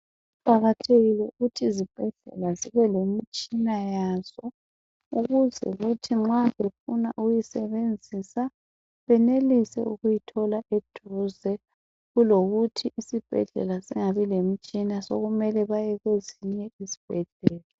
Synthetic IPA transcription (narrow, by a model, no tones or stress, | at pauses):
upʼaɣatʰeɣilɛuɣutʰizib̥ʱɛɮ̥ɛ̰laziβɛlemit͡ʃʼinajaz̥ɔ | uɣuzɛ̰ɣutʰiŋ͡ǁaβefuna̰ʔujisɛβend͡zʱisa | βɛnelisɛ̰uɣujitʰɔlaʔed̥ʱuzɛ | ɣuloɣutʰiʔisib̥ʱɛ̰ɮɛ̰lasiŋaβilem̩t͡ʃʼinasoɣumɛlɛβajɛɣweziɲɛizi̥b̥ʱɛɮɛːla